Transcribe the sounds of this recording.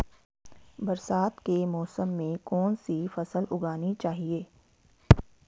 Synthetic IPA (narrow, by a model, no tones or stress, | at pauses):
bɐɾsaːt̪kemɔːsəmːẽkɔːnsifɐsəlʊɡaːnit͡ʃaːɦieː